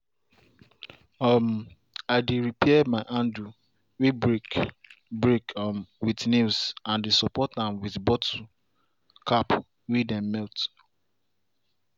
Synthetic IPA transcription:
ɔm | aɪdeɹipʰɛɛmaɪʔãndu | wibɹikbɹekmwitnisãndesɔpɔtãmwitbɔtʰu | kʰap | widɛ̃mmɛlt

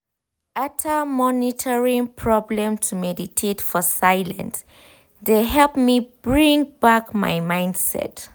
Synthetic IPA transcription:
atʰəmɔnitʰəɹĩŋpʰɹɔblə̃mtʰumɛditʰetfɔsaɪlə̰̃ns | deɦɛlp̚mibɹĩŋbakma̰jmãɪ̃ndsɛ̰t

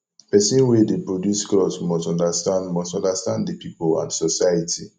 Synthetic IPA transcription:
pɛsĩnwɛdepɹodjusklɔsmɔstɔ̃ndastãndmɔstɔ̃ndastãnddipipolã̰nsɔsajatʰi

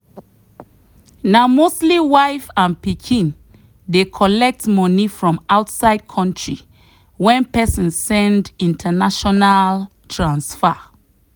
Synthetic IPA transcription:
naʊmostliwaɪfãnpikʰĩn | dekʰɔlɛk̚tmɔnifɹɔ̃maʊtsaɪd̚kʰɔ̃ntɹi | wɛ̃npɛsɔ̃nsːɛ̃ndĩntʰanaʃɔnal | tʰɹãnsfa

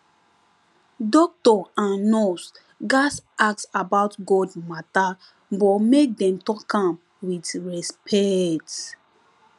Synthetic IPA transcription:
dɔk̚tɔãnnɔs | ɡasak̚sabatɡɔdmata | bɔmek̚dɛ̃mtɔkãm | witɹɛspʰɛt

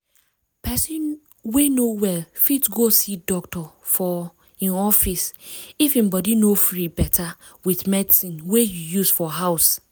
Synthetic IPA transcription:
pɛsĩn | wenowɛlfitɡosidɔktɔ | fɔ | ĩnɔfisifĩmbɔdinofɹibɛtʰa | wiθmɛdisĩnwejujusfɔɦaʊs

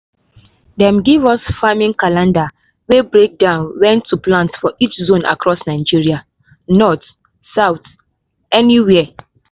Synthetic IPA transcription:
dɛ̃mɡivɔsfamĩŋkalãnda | webɹek̚dãʊ̃nwɛ̃ntʰːuplãntfɔʔit͡ʃzõnʔa̰kʰɹɔsnaɪd͡ʒiɹia | nɔt | saʊθ | ɛniwɛ

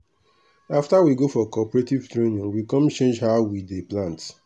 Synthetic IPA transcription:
aftawiɡofɔkɔpɔɾetivtɾenĩŋwikɔ̃mt͡ʃẽnd͡ʒɦawideplãnt

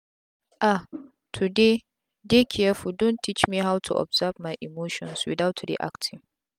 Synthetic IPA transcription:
ʔa | tʰude | dekʰʲɪjafudʊntʰit͡ʃmiɦawtʰṵʔɔ̰bzavmajʔimoːʃɔ̰̃nswḭdawtʰɾḭʔa̰ktʰɪ̃ŋ

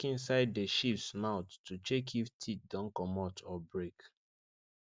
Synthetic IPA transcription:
kĩnsaɪddəʃipsmaʊtːut͡ʃekʰiftʰit̚dɔ̃nkɔmɔtʰɔbɹek

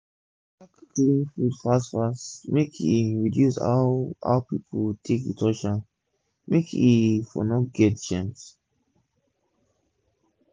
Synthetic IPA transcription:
akkʰiĩnfudfasfasmekʰiɹidjusa̰a̰pipʰotʰekitʰɔʃa | mekifɔ̰nɔt̚ɡɛtt͡ʃãns

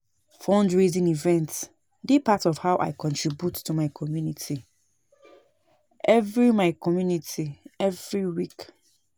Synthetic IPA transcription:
fɔ̃ndɹizĩnivɛ̃nts | dipatɔfhaʊʔa̰ɪkʰɔ̃ntʰɹibjutʰːumaɪkʰɔmjunitʰi | ʔɛvɹimaɪkʰɔmjunitʰiɛvɹiwik

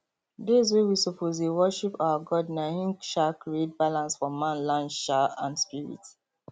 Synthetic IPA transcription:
dezwewisɔpʰozewɔʃipaʊaɡɔdnaĩŋʃakɹiet̚balãnsfɔmãnlãnʃaãndspiɹḭt

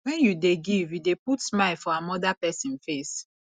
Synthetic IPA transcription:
wɛ̃njudeɡivjudeputmaɪfɔamɔdapɛsĩnfes

